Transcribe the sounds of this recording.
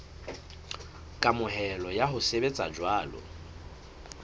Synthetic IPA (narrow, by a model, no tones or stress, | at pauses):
kʼamʊɦɛlɔjaɦʊsebet͡sʼa̰d͡ʒwaːlɔ̰